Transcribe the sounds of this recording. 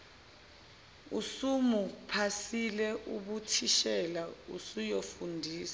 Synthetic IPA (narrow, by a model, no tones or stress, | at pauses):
usumupʰasilɛʔuɓutʰiʃɛlaṵsujofundʱiːsḁ